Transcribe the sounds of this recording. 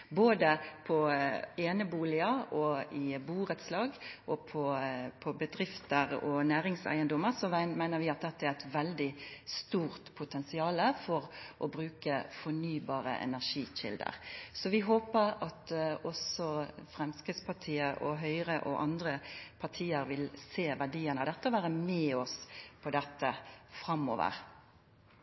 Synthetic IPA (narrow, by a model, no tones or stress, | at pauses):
boːd̪əpʰɔeːnəbuːlɪəɔɪbuːɾət̪slɑːɡʔɔpʰɔpʰɔbəd̪ɾɪft̪əɾɔnæːɾɪŋsæ̰ɪənd̪ʊməɾsɔmæɪnəʋɪɑt̪̚d̪ɛt̪ːəæʁæɪt̪ʋɛld̪ɪst̪uːɾt̪pʰʊt̪ʰɛnsɪɑːləfɔʁʔɔbɾʉːkəfɔnyːbɑːɾə̰ʔɛ̰næʁʂiːɕɪ̰ld̪ə̰ʁsɔʋɪɦoːpəɾɑt̪ɔsɔfɾɛmskʁɪd̪spʰɑt̪ʰiːəɾɔɦœʏɾəʔɔʔɑnd̪ɾəpʰɑʈʰiːəɾʋɪlseːʋæɖiːənɑʋd̪ɛt̪ːəɔʋæːʁəmɛːɔspʰɔd̪ɛt̪ːəfɾɑmo̰ːʋə̰ʁ